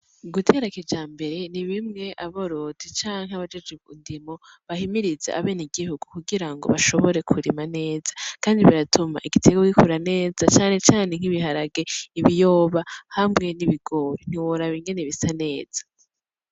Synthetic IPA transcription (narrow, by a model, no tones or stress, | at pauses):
ɡutʰe̞ɾakid͡ʒaːmbe̞ɾe̞niβimŋe̞ʔaβoɾodit͡ʃaːŋhaβad͡ʒed͡ʒeṵndimo̞βahimiɾizeaβe̞ːneɡiɦuɡ̥ukuɡiɾaŋɡo̞̰βaʃoβo̞ɾe̞kʰuɾimane̞ːz̥ḁkaːndiβiɾatʰuma̰ʔiɡitʰeɡokikʰuɾane̞ːzat͡ʃaːne̞t͡ʃaːne̞ŋ̥iβiɦaɾaɡe̞iβijo̞ːβahamŋe̞niβiɡo̞ːɾin̥iwoɾaβiŋɡe̞neβisane̞ːz̥ḁ